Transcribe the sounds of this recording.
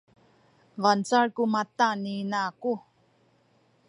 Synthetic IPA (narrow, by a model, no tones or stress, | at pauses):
vant͡saɭkumat̪aninaku